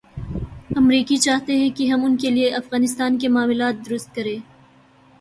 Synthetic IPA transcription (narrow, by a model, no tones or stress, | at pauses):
ɐmɾiːkit͡ʃaːɦt̪eɦɛ̃kiɦɐmʊnkelieʔɐfɣaːnɪst̪aːnkemaːmɪlaːt̪̚d̪ʊɾʊst̪̚kɐɾẽː